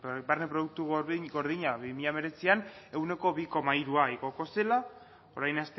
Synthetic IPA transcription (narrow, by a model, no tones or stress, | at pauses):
barnepɾo̞ðuk̚t̪uɣɡo̞ɾðiɲaβimiʎame̞ɾe̞t͡siane̞wne̞ko̞βiko̞maiɾuaiɣo̞ko̞se̞la | o̞̰ɾajnast̪